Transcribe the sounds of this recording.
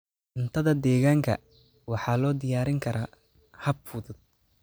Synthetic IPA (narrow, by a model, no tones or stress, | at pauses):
ʔɪnt̪ʰɐðɐd̪ɛːɣaːŋkʰɐ̰ | wɑħɑːlɔːd̪ɪjaːɾɪŋkʰɐɾaː | hɐbfʊðʊd̪̥̚